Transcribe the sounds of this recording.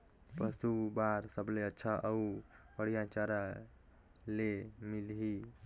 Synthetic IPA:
pəst̪ubaɾsəbleətːʃʰaʔəupəɽijat͡ʃaɾa | lemilɦi

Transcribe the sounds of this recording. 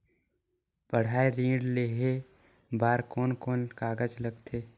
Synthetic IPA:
pəɽ̤aːeɾĩːɖleːɦe | baːɾkɔːnkoːnkaːɡəd͡ʒləɡt̪ʰeː

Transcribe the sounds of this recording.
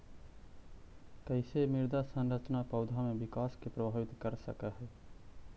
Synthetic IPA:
kəɪsemɪɾd̪asə̃nɾət͡ʃnapɐʊd̪ʱamẽʋɪkaːskepɾɐbʱaːʋɪt̪kəɾsə̰kaɦɛː

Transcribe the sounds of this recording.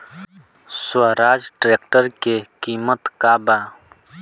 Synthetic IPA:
swɐɾaːd͡ʒʈɾeːkʈəɾkekiːmət̪kaːbaː

